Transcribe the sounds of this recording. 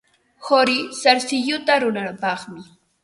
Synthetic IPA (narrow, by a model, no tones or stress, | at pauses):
hoɾɪsaɾsɪʎʊt̪aɾʊnapɑχmɪ